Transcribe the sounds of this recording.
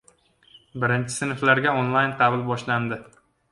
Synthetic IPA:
bɪɾɪnt͡ʃʰɪ̥sɪnɪflaɾɡʲaonlˠajnqʰɑbɪlˠbɒʃland̪ɪ

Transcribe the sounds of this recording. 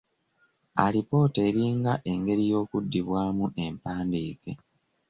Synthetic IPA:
a̰lipo̞ːte̞ːɾiːŋɡaʔe̞ŋɡe̞ɾijo̞ːkudːiβwaːmuʔe̞mpaːndiːke̞

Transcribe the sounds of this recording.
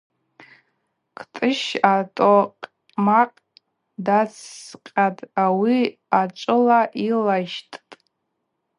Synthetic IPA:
kʰtʼɨʃatʼoqʼ | maqʼ | dat͡sʰːqʲʼatʼawi | at͡ʃʷʼɨlaʔilaʃtʼtʼ

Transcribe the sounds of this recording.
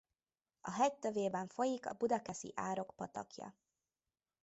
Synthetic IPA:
ɒɦɛct̪øveːbɛɱfo̞jikɒ̰bud̪ɒkɛsḭʔaːɾo̞kpɒt̪ɒ̰kjɒ̰

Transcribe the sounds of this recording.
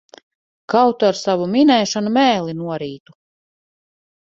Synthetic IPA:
kawt̪uaɾsavuminɛjʃanumɛːlˠinuɔɾiːt̪u̥

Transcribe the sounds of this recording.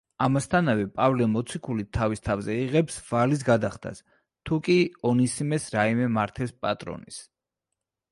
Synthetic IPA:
amast̪ʰanavɛpʼavlimɔt̪sʰikʰulit̪ʰːavist̪ʰavzɛiʁɛpsvalis̬ɡad̪aχd̪ʰa̰s | t̪ʰukʼiɔnisimɛsɾaimɛmaɾt̪ʰɛspʼat̪ʼɾɔ̰nḭs

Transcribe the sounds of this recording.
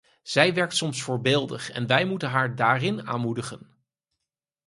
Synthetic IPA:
z̥ɛjʋɛɹk̚tsɔmsfʊːɹbɪːlˠdə̰χɛ̰nʋɛjmutənɦaːɹdaːrɪna̰ːnmudəχən

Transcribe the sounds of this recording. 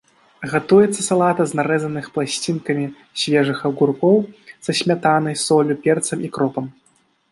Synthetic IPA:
ɣat̪ujɛt̪sːɐsalˠat̪ɐznaɾɛzɐnɨxplˠasʲt͡sʲinkɐmʲi | sʲvʲɛʐɨxɐɣurkɔwsɐɕʲmʲat̪anɐjsɔlʲupʲɛrt̪sɐmʔikɾɔpɐm

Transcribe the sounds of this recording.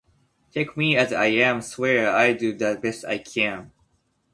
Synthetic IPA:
tʰeɪkmiɨza̰ɪæ̃mswɛɹaɪdɨðɨt̚b̥ɛsta̰ɪkʰæ̃n

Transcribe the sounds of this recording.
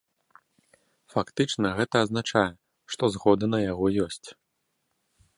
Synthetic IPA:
fakt̪ɨt͡ʂnɐɣɛt̪ɐːznat͡ʂajɛ | ʂt̪ɔzɣɔd̪ɨnɐjaɣɔjɔsʲt͡sʲ

